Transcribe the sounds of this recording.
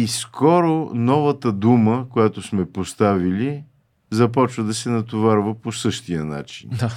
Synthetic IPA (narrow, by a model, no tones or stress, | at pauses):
iskɔɾonɔvət̪əd̪uməkojat̪osmɛpost̪avili | zɐpɔt͡ʃvəd̪ɐsɛnɐt̪ovaɾvəposɤʃt̪ijəna̰t͡ʃḭn